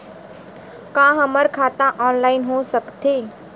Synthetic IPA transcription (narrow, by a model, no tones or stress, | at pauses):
kãːɦəməɾkʰaːt̪ãʔɔːnlaːɪnɦõsəkt̪eː